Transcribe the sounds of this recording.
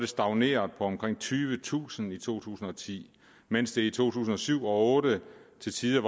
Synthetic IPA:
d̥e̝sd̥ɑ̈ʊne̝̰ːɐðˠpʰɒ̽ɒ̽mkʰʁeŋ̰t͡sʰyːʋət͡sʰṵːsən̩it͡sʰo̝̰ːt͡sʰṵːsn̩ɒ̽t͡sʰḭː | men̰sd̥e̝it͡sʰo̝̰ːt͡sʰṵːsn̩ɒ̽syʊ̰ɒ̽ɔ̽ːdət͡sʰe̝lsʰiːðˠəʋ

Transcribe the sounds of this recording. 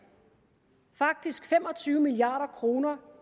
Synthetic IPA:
fɑ̈ɡ̥̚d̥isɡ̥fem̰ɒ̽t͡sʰyːʊəmiliɑ̰̈ːɾ̥ɐkʰʁo̝ːnɐ

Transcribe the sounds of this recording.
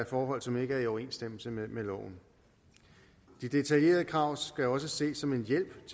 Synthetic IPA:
fɒːɦɒ̽l̰sɒ̽me̝ɡ̥əæɐiɒʊɐe̝̰ːnsd̥em̰l̩səmelɒ̰ʊ̰n̩ | d̥id̥e̝t͡sʰælje̝̰ːɐðˠəkʰʁɑ̈ʊ̰sɡ̥æɒ̽s̬əse̝̰ːsɒ̽me̝njel̰b̥t͡sʰ

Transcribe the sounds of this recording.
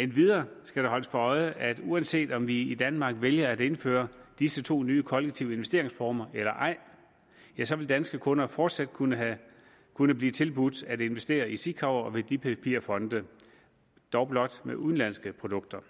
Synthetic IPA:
enʋið̞ˠɐːsɡ̥æɾ̥ehɒ̽ləsfɒ̽ɒ̽ɪəʔæd̥uænse̝̰ːd̥ɒ̽mʋiid̥ænmɑ̈ɡ̥ʋeljɐæɾe̝nfø̰ːɐd̥isət͡sʰo̝̰ːnyːəkʰɒ̽leɡ̥̚t͡sʰiʊəe̝nʋesd̥e̝ɐ̰eŋsfɒːmɐelɐʔɑ̈ɪ̰ | jæsɒ̽ʋe̝ld̥ænsɡ̥əkʰɔ̽nɐfɒ̰ːd̥sæd̥kʰunəæ | kʰunəb̥liːt͡sʰe̝lb̥ud̥æde̝nʋesd̥e̝̰ːɐisikʰɑʊɐɒʋe̝d̥ipʰæpʰḭɐfɒ̽nd̥ə | d̥ɒʊb̥lɒ̽d̥meʔuðˠn̩læn̰sɡ̥əpʰʁo̝d̥ɔ̽ɡ̥̚d̥ɐ

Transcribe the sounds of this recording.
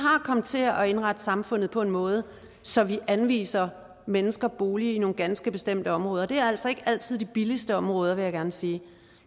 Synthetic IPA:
ɦɑ̈kʰɒ̽md̥t͡sʰe̝ɒe̝nʁɑ̈d̥əsɑ̈mfɔ̽n̰ð̩ˠpʰɒ̽e̝nmɔ̽ːð̞ˠə | sɒ̽ʋiʔænʋḭːsɐ | menəsɡ̥ɐb̥o̝ːliino̝ːŋɡ̥ænsɡ̥əb̥e̝sd̥em̰d̥əɒ̽mʁɔ̽ːð̞ˠɐd̥e̝æɐæl̰sɒ̽e̝ɡ̥əæl̰t͡sʰið̞̰ˠd̥ib̥ilisd̥əɒ̽mʁɔ̽ːð̞ˠɐʋe̝jɑ̈ɡ̥æɐnsiː

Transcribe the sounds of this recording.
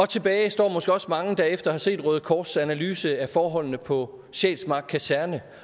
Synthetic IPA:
ɒ̽t͡sʰe̝b̥ɛːɪsd̥ɒ̰ːmɒ̽sɡ̥əɒ̽smɑ̈ŋəd̥æefd̥ɐhɑ̈se̝̰ːd̥ʁœːð̞̩ˠkʰɒːd̥sænælyːsəæfɒːɦɒ̽l̰nəpʰɒ̽ | ɕɛ̰ːd̥smɑ̈ɡ̥̚kʰæsæɐnə

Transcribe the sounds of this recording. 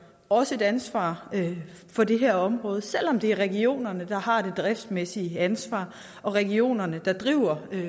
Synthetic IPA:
ɒ̽səe̝dænsʋɑ̰̈ː | fɒ̽de̝ɦæɐɒ̽mʁɔ̽ːð̞̩ˠsel̰ɒ̽md̥e̝æɐʁɛɡio̝̰ːnɐnəd̥ɑ̈hɑ̈d̥e̝d̥ʁɛfd̥mesiəænsʋɑ̰̈ː | ʔɒ̽ʁɛɡio̝̰ːnɐnəd̥ɑ̈d̥ʁiʊ̰ɐ

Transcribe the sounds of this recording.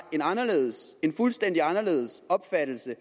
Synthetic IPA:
e̝nɑ̈nɐle̝ːðˠse̝nfulsd̥en̰d̥iɑ̈nɐle̝̰ːðˠsɒ̽b̥fæd̥l̩sə

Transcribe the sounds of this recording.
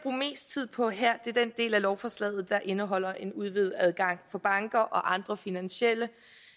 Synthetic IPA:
b̥ʁṵːme̝̰ːsd̥̚t͡sʰið̰ˠpʰɒ̽ɦeɐ̰d̥e̝ɐd̥end̥e̝̰ːlælɒʊfɒ̽slɛ̰ːðˠð̩ˠd̥ɑ̈ʔe̝nəɦɒ̽l̰ɐʔe̝nuð̞ˠʋið̩ˠæð̞ˠɡ̥ɑ̈ŋ̰fɒ̽b̥ɑ̈ŋɡ̥ɐʔɒ̽ʔɑ̈nd̥ʁɐfinænɕelə

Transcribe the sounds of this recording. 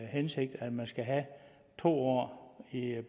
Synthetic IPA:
hense̝ɡ̥̚d̥æ̥mænsɡ̥æɦæ | t͡sʰo̝̰ːɒ̰ːi

